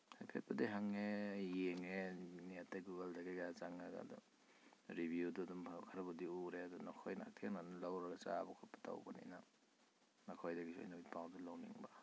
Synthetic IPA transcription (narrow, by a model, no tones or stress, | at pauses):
hajpʰet̚bɐdiɦaŋejjeŋeniatːeɡuɡɐldaɡeɡaat͡ʃaŋaɡa̰dɔ̰ | ɾibʱjudɔdumʰkʰaɾɐbɐdiuɾeadɔnɔkʰojnaa̰k̚tʰeŋnanlawɾɐɡɐt͡ʃabɔkʰɔpḁta̰wbɐnḭjna | nakʰojdɐɡiso̰jnabit̚pawdɔlawnḭŋba